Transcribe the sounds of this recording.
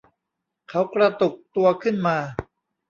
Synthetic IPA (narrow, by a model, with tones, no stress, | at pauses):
kʰa˦˥wkɾa˧t̪u˨˩k̚t̪u˧ɐkʰɯ˥˩nmaː˧